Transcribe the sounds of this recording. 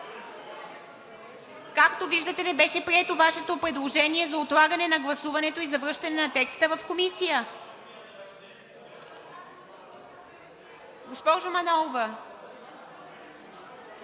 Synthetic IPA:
kakt̪oviʒd̪ət̪ɛnɛbɛʃɛpɾiɛt̪ovaʃɛt̪opɾɛd̪lˠoʒɛniɛzɐot̪lˠaɡɐnɛnɐɡlˠɐsuvɐnɛt̪oizɐvɾɤʃt̪ɐnɛnɐt̪ɛkst̪əvəfkomisijə | ɡospɔʒʊmɐnɔlˠvə

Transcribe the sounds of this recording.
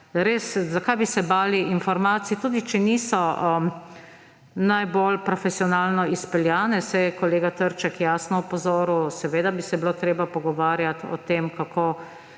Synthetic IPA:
ɾeːszakajbisɛbaːliinfɔɾmaːt̪sijɛt̪uːd̪it͡ʃɛniːsɔə | najbolpɾɔfɛsiɔnaːlnɔispɛljaːnɛsɛjkɔleːɡat̪əɾt͡ʃɛkjaːsnɔɔpɔzoːɾusɛʋeːd̪abisɛbiloːt̪ɾeːbapɔɡɔʋaːɾjat̪ɔ̰t̪eːmkakʰoː

